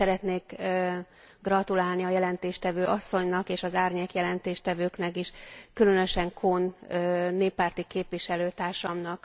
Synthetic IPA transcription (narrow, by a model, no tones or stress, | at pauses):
ɛɾɛt̪neːk | ɡrɒt̪ulaːlniɒjɛlɛnt̪eːʃt̪ɛvøːʔɒsːo̞ɲnɒkeːʃɒzaːrɲeːkjɛlɛnt̪eːʃt̪ɛvøːknɛkiʃkylø̞nø̞ʃɛŋkʰonøːeːpːaːrt̪ikeːpviʃɛløːt̪aːrʃɒmnɒk